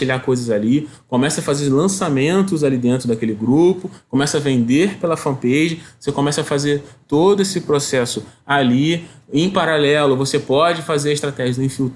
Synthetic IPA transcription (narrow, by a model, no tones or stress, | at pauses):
iʎakojzɐzalikomɛsɐfazeɾlɐ̃samẽnt̪ʊzalid̪ẽnt̪ɾʊd̪akelɪɡɾupʊkomɛsɐɐvẽnd̪eɾpelɐfɐ̃mpeʒɐosekomɛsɐfazeɾt̪od̪ʊesɪpɾosɛsʊaliẽj̃paɾalɛlʊvosepɔd͡ʒɪfazeɾɐɪst̪ɾat̪ɛʒɐzẽfiwt̪